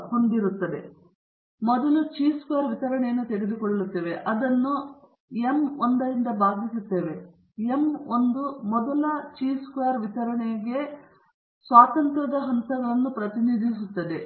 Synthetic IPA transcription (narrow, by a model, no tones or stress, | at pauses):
kond̪iɾut̪ːɐd̪e̞ | mɔd̪ɐlut͡ʃiːskujaːɾʋit̪ɐɾɐɳɛjɐnːut̪eɽed̪ukoɭːɐut̪ːe̞ːʋe̞ʔɐd̪ɐnːu | emond̪ɐɾind̪ɐbaːɡ̪isut̪ːe̞ːʋe̞ | emond̪umɔd̪ɐlɐt͡ʃiːskujaːɾʋit̪ɐɾɐɳeɡe̞ | sʋaːt̪ɐnt̪ɾɐd̪ɐɦɐnt̪ɐɡɐɭɐnːupɾɐt̪inid̪ʱisut̪ːɐd̪e̞